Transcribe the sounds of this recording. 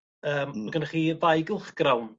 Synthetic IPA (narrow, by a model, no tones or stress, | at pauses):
əːmaɡənaχiːvajɡɪlˠχɡ̥rawn